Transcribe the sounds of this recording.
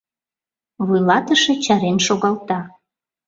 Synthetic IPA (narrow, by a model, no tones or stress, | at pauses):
βujlɑt̪əʃet͡ɕɑɾenʃoɣɑlt̪ɑ